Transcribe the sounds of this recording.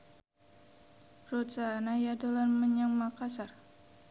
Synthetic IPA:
rut̪sanajadolanməɲaŋmakasar

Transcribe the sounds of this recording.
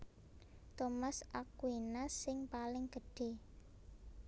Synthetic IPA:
t̪omasʔakwinasɪŋpalɪŋɡəɖ̥e̤

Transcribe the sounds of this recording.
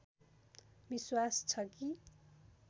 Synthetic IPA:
biswast͡sʰʌki

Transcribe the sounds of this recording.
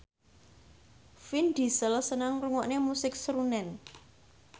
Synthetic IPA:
find̪̥i̤səlsənaŋruŋɔʔnemusɪk̚sɾunɛn

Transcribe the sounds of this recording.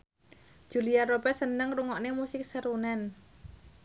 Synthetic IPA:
ʒ̥uliaɾobɛsənəŋruŋɔʔnemusɪk̚səɾunɛn

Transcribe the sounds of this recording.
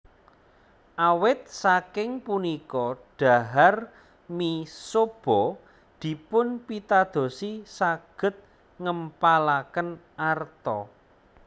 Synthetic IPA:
ʔawɪt̪̚sakɪŋpunikɔɖ̥a̤ɦar | misob̥ɔ | d̪̥i̤pʊnpit̪ad̪̥o̤sisaɡ̥ə̤t̪̚ | ŋəmpalakənʔart̪ɔ

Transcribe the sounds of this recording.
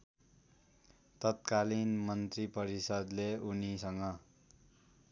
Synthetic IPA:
t̪ʌt̪kalinmʌnt̪ripʌɾisʌd̪leunisʌŋɡʌ

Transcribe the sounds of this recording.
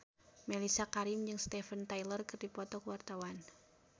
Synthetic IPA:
melisakaɾimd͡ʒɨŋst̪ɛfənt̪ajlərkɨrdipɔt̪ɔkəwart̪awan

